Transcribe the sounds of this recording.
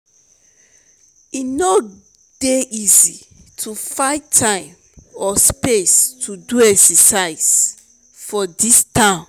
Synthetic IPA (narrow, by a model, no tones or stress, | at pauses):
ino | d̥eʔizitʰufaɪttʰãɪ̃m | ɔspestʰuduɛksəsaɪs | fɔdistãn